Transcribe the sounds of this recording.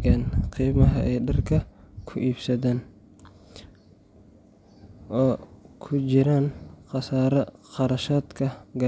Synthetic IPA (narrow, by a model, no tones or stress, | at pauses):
aːnqiːmɐɦɐʔɛjɖɐrkʰɐkʰʊʔiːbsɐðaːn | ʔɔːkʰʊt͡ʃɪɾaːnqɑsaːɾɐqɑɾɐʃaːd̪kʰɐɡɐ